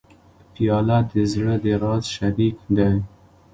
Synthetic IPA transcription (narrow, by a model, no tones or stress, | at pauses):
pijɑlat̪əzɽəd̪əɾɑzʃaɾikd̪aj